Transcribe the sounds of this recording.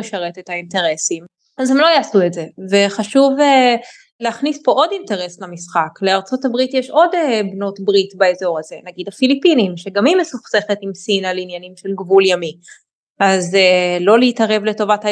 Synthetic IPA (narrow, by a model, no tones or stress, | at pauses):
eʃaʁe̞tethainte̞ʁesim | azhemlo̞jaːsuetze̞ve̞χaʃuve | leaχnispo̞ʔo̞dinteʁe̞slamisχakle̞aʁt͡so̞tabʁitjɛʃo̞debno̞tbʁitbaezo̞ʁaze̞naɡidafilipinimʃe̞ɡamimesuχse̞χetimsinalinjanimʃelɡvuljami | azelo̞leiitaʁe̞vleto̞vatha